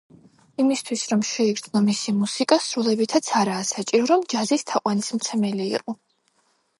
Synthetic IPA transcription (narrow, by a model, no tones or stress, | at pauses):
imist̪ʰwisɾɔmʃɛiɡɾd̪znɔmisimusikʼasɾulɛbit̪ʰat̪sʰaɾaːsat͡ʃʼiɾɔɾɔmd͡ʒazist̪ʰaqʼwanismt̪sʰɛmɛlḭːqʼɔ